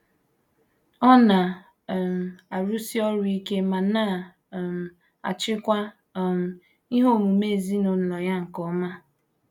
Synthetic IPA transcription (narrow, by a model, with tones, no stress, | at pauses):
ɔ˦na˨ | m̩˨a˨ɾu˦si˦ɔ˦ɾʊ˦i˦ke˦ma˨na˦˨ | m̩˨ | a̰˨t͡ʃɪ˦kʷa˦˨ | m̩˨ | i˦ɦo˦˨mu˨me˦˨zi˦no˨n̩˨lɔ˨ja˦ŋ̩˨kɔ˦ma˦